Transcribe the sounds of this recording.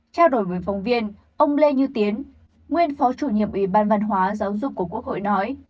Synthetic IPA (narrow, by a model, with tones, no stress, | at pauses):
t͡ɕaː˧wɗo˧˩jmu˨˩jfa˨˦wŋ͡mvi˧ən | ʔə˧wŋ͡mle˧ɲɨ˧t̪i˨˦ən | ŋwi˧ənfɔ˨˦t͡ɕu˧˩ɲḭ˧˨əmʔwi˧˩ɓaː˧˩nvə˧nɦwaː˨˦zaː˨˦wzʊ˨˩k͡p̚kːu˧˩əku˦˥ək̚ho̰˧˨jnɔ˨˦j